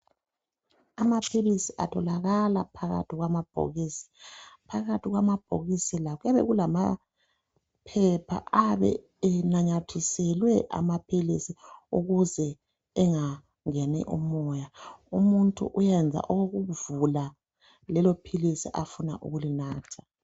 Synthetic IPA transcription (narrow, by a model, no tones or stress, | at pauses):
amapʰilisiʔa̰tʰɔlaɣalapʰaɣa̰tʰiɣwamab̥ʱo̰ɣisi̥pʰaɣatʰiɣwamab̥ʱo̰ɣisilaɣujaβɛ̰ɣulama̰ | pʰɛpʰa̰ʔaβɛ̰ | ɛnaɲatʰisɛlwɛʔa̰mapʰilisiuɣuzɛː | ŋa | ŋɛnɛ̰ʔṵmɔjaumuntʼṵʔujɛnd͡zʱa̰ʔɔwoɣuvula | lɛlopʰilisiʔafuna̰ʔṵɣulinaːtʰḁ